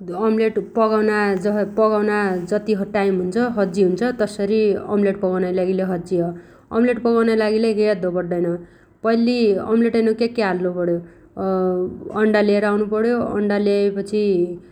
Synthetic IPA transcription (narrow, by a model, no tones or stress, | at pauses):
ʌmleʈpʌɡawnad͡zʌpʌɡawnad͡zʌt̪iɦʈajmɦunt͡sʰʌɦʌd͡ziɦunt͡sʰʌt̪ʌsʌɾiʌ̰mleʈpʌɡawnajlaɡileɦʌd͡ziɦʌ | ʌ̰mleʈpʌɡawnajlaɡilekejʌd̪ʱobʌrd̪ʌjnʌ | pʌjliʌ̰mleʈʌjnokekːeɦalːupʌɽjo | ʌɳɖaleeɾʌawnupʌɽjoʌ̰ɳɖaleepʌt͡sʰi